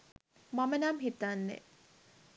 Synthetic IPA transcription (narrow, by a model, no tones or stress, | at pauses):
mamənamɦit̪anːḛ